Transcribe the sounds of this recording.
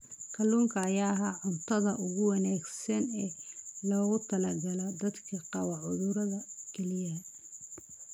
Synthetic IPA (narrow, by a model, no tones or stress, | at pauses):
kʰɐlːuːŋkʰɐːjaːɦaʕʊnt̪ʰɐðɐʔʊɣʊwɑnaːɡsɐnɛːlɔːɣʊt̪ʰɐlɐɡɐlɐd̪ɐd̪kʰɐqɑwɑʕʊðʊɾɐðɐkʰɛlɪjɐ